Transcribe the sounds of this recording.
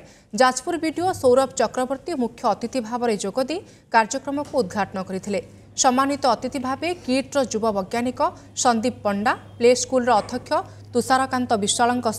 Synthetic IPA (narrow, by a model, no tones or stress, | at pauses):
d͡ʒad͡ʒpuɾbiɖiosowɾɔbt͡ʃɔkɾɔbɔɾt̪imukʰːjɔːt̪it̪ibʱabɔɾed͡ʒoɡɔd̪i | kaɾd͡ʒɔkɾɔmɔkuːd̪̚ɡʱaʈɔnɔkɔɾit̪ʰile | sɔmanit̪ɔːt̪it̪ibʱabekiʈɾɔd͡ʒubɔbɔɡjanikɔ | sɔnd̪ib̚pɔɳɖapleskulɔɾɔːt̪ʰɔkʰjɔ | t̪usaɾɔkant̪ɔbiswaɭɔŋkɔs